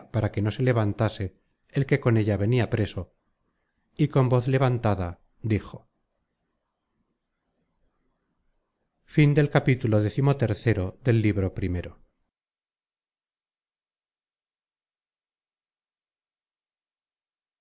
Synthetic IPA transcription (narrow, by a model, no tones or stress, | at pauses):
paɾake̞no̞se̞le̞βant̪ase̞ː | lke̞ko̞ne̞ʎaβe̞niapɾe̞so̞ | iko̞mbo̞θle̞βant̪aða | d̪ixo̞ | find̪e̞lkapit̪ulo̞ðe̞θimo̞t̪e̞ɾθe̞ɾo̞ðe̞lːiβɾo̞pɾime̞ɾo̞